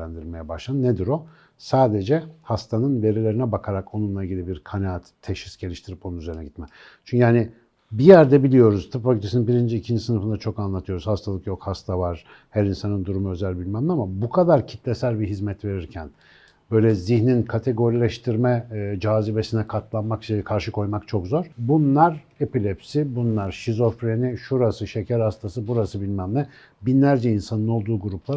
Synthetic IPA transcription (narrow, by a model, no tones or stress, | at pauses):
ænd̪iɾʲmejɛbaʃlˠanɯned̪iɾo̞ | saːd̪e̞d͡ʒɛhast̪ʰanɯnve̞ɾilʲe̞ɾinɛbakʰaɾako̞nunlˠaɟilʲibiɾkʰanaːt̪ʰːeʃisɟe̞lʲiʃt̪ʰiɾiponunyze̞ɾinɛ̰ɟit̪mɛ | t͡ʃʰyɲcyhani | bijæɾd̪ɛbilʲijo̞ɾuz̥t̪ʰɯpvakyt̪ʰisninbiɾind͡ʒiːcʰind͡ʒisɯnɯfɯnd̪at͡ʃʰo̞kanlˠat̪ʰɯjo̞ɾuz̥hast̪ʰalˠɯkjo̞khast̪ʰavaɾ̥ | hæɾinsanɯnd̪uɾumuø̞zælʲbilʲmæmamabukʰad̪aɾcʰi̥t̪lʲɛsælʲbiɦizmɛt̪ve̞ɾiɾcʰæn | bø̞jlʲɛzihninkʰat̪ʰe̞ɡo̞ɾilʲɛʃt̪ʰiɾmɛd͡ʒaːzibe̞sinɛkʰat̪lˠanmakkʰaɾʃɯkʰo̞jmakt͡ʃʰo̞kzo̞ɾ̥bunlˠaɾ | epilʲepsibunlˠaɾʃizo̞fɾeniʃuɾasɯʃe̞cʰæɾhast̪ʰasɯbuɾasɯbilʲmæmlʲɛ | binlʲæɾd͡ʒɛinsanɯno̞lˠd̪uːɡuɾuplˠa